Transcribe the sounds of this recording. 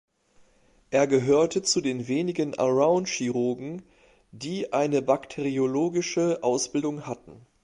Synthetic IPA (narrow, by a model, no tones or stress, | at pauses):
ʔeːɐɡəɦøːɐtʰət͡sudeːnveːnɪɡənʔa̰ʁaʊnʃiʁoɐɡŋ̩ | diːʔaɪnəbaktʰeʁioloːɡɪʃəʔaʊsb̥ɪldʊŋhatn̩